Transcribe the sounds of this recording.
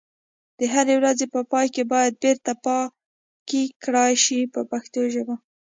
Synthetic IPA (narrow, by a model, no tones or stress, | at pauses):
d̪̥əɦaɾewɾazepəpɑjkebɑjad̪̚beɾt̪apɑ | kikɽɑjʃipəpaxt̪oʒəba